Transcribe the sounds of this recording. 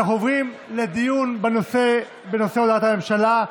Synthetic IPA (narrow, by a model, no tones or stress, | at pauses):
χovʁimled̪ijunbnse | benoseod̪at̪hame̞mʃala